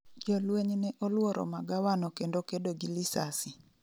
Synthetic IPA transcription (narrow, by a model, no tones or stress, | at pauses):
d͡ʒɔlweɲnɛʔolwɔɾʔɔ̰maɡawanɔkendokedoɡilisasi